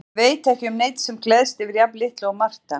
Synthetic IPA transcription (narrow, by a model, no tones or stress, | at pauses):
veːjt̪ɛhcɪʏmneːjt̪sɛmklɛðst̪ɪvɪɾjaplɪht̪lːwmar̥t̪a